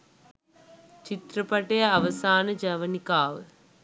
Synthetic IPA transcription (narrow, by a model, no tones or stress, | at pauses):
t͡ʃit̪ɾɐpɐʈːɐjɐɐʋɐsaːnɐd͡ʒɐʋɐnikaːʋɐ